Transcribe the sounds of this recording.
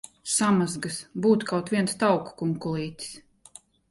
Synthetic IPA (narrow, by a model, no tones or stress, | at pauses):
samazɡɨsbuːt̪kʰawt̪ʋʲiɛnst̪awkkuŋkulˠiːt̪ʲs